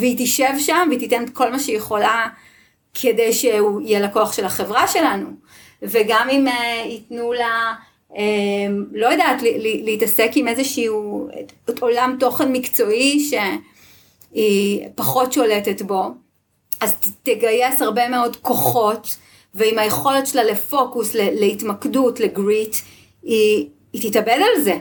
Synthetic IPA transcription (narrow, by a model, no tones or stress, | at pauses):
veitiʃevʃamveititenetkʰo̞lmaʃejeχo̞la | kʰedejʃeuijelakoaχʃe̞lhaχe̞vʁaʃe̞lanu | veɡamimeitnula | emlo̞jadaːtlliliitɐse̞kimezeʃiː | olamto̞χenmikt͡so̞iʃe̞ | ipaχo̞tʃo̞letetbo̞ | ʔazteɡaje̞shaʁbe̞meo̞dko̞χo̞t | veimhajeχo̞letʃelalefo̞kusleleitmakdutleɡʁit | iː | titabedalze